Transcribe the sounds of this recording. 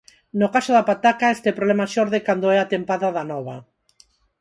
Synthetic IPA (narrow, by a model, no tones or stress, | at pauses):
nokaʃoðapat̪akaest̪ɛpɾoβlemaʃɔɾðekand̪oɛat̪empaðaðanɔβa